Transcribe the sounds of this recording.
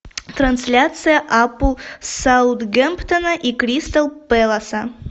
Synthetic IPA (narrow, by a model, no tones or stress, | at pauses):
t̪ɾɐnsʲlʲat̪sɨjaʔapusawt̪ɡempt̪ɐnɐʔikɾʲist̪alˠpɛlˠɐsɐ